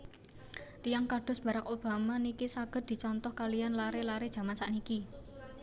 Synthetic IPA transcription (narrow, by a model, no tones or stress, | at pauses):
t̪ijaŋkaɖ̥ʊ̤sb̥a̤ɾakob̥a̤manikisaɡ̥ə̤t̪̚d̪̥i̤t͡ʃɔnt̪ɔhkalijanlaɾelaɾed̥ʒ̥a̤mansaʔniki